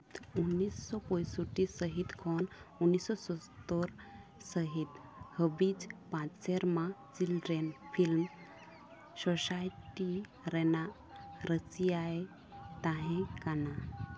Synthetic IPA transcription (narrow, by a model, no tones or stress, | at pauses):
t̪unːisːɔpɔ̃jsuʈisəɦit̪kʰɔnunːisːɔsɔst̪oɾsəɦit̪həbid͡zpãt͡sseɾmãt͡silɾenfʰilm | sɔsajʈi | ɾɛna | ɾəsiae | t̪ãɦɛ̃kana